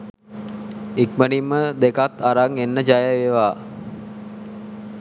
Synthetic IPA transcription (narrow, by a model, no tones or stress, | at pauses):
ikmənimːəd̪ekat̪ːaɾaŋenːəd͡ʒajəʋeʋaː